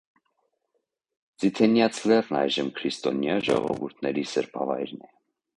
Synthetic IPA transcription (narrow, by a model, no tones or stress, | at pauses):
d͡zit̪ʰɛnjɑt͡sʰlɛrnɑjʒəmkʰɾist̪ɔnjɑʒɔʁɔ̰vuɾt̪ʰnɛɾisəɾpʰɑvɑjɾnɛ